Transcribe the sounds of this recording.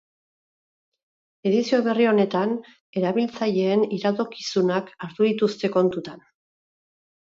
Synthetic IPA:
e̞ðisio̞βe̞rio̞ne̞t̪an | e̞ɾaβilt͡saʎe̞ːniɾat̪o̞kisunakaɾt̪uðit̪ust̪e̞ko̞nt̪ut̪an

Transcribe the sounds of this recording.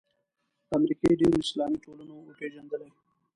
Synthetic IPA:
amɾikeɖiwɪslɑmiʈolanoːpeʒand̪əlaj

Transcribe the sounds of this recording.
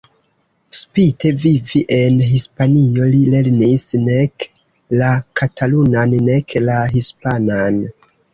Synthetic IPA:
spite̞viviʔe̞nɦispanio̞lile̞ɾnisnek | lakʰatʰalunanːe̞klaɦispanan

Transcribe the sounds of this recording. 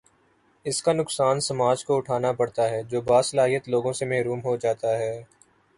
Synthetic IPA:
ɪskanʊksaːnsɐmaːd͡ʒkoʊʈʰaːnapɐɽt̪aɦɛːd͡ʒoːbaːsɐlaːɦijət̪loːɡõsemɛɦɾuːmɦod͡ʒaːt̪aɦɛː

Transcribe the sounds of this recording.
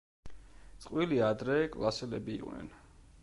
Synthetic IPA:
t̪sʼqʼwiliad̪ɾɛkʼlˠasɛlɛbiːqʼnɛ̰n

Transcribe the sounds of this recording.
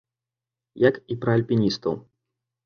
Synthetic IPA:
jɐkipɾɐɐlʲpʲinʲist̪ɐ̰w

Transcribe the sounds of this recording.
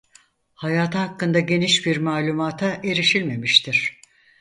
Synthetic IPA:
hajaːt̪ʰaɦakːɯnd̪aɟe̞niʃbiɾmaːlʲumaːt̪ʰaʔe̞ɾiʃilʲme̞miʃt̪ʰiɾ̥

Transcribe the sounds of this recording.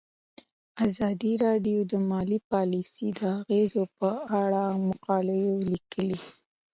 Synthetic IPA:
azɑd̪iɾɑɖijod̪əmɑlipɑlisid̪əaɣezopəaɽamʊqɑləjolikəli

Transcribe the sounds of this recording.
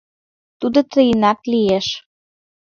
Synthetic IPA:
t̪ud̪ot̪əjinɑklieʃ

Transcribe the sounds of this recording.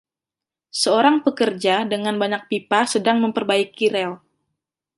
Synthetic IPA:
səoɾaŋpəkərd͡ʒadəŋanbaɲak̚pipasədaŋməmpərbaikiɾɛl

